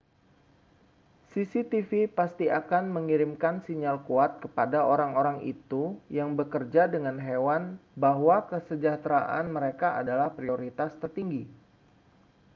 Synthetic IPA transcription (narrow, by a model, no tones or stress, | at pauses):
sisit̪ifipast̪iakanməŋiɾimkansiɲalkuat̪̚kəpadaoɾaŋoɾaŋḭt̪ujaŋbəkərd͡ʒadəŋanɦewanbaɦwakəsəd͡ʒat̪ɾaʔa̰nməɾekaʔadalahpɾioɾit̪ast̪ərt̪iŋɡi